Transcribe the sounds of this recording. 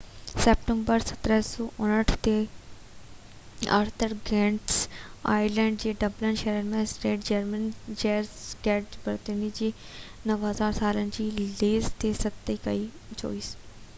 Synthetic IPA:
sɛːpʈə̃mbəɾsə̥t̪ɾɛsoːʔʊnəʈʰt̪e | ə̰ɾt̪ʰəɾɡɛ̃ːɳʈsa̰ːilɛ̃ːɳɖd͡ʒeːɖəblənʃɛːɾəɾmɛ̃ːsʈeːʈʰd͡ʒəɾmənd͡ʒɛːɾsɡɛːʈd͡ʒbəɾt̪ẽniːd͡ʒiː | nəʋɦəzaːɾsaːlənd͡ʒiːleːzt̪eːsət̪ːeːkəiː | t͡ʃo̰ːiːs

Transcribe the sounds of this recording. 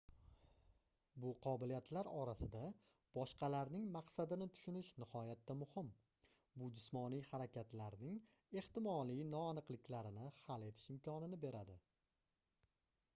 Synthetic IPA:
bʊqʰɒbɪlijat̪ʰlaɾɒɾasɪd̪a | b̥ɒʃqʰɑlaɾnɪŋmaqsad̪ɪnɪt̪ʰʊ̥ʃʊnɪʃnɪhɒjat̪ːamʊhɪm | bʊd͡ʒʊsmɒnijhaɾakʲʰat̪laɾnɪŋ | e̞ht̪ɪmɒlˠijnɒːnɨqlˠɪkʲʰlaɾɪnɪhale̞t̪ʰɪ̥ʃɪmkʰɒnɪnɪbe̞ɾad̪ɪ

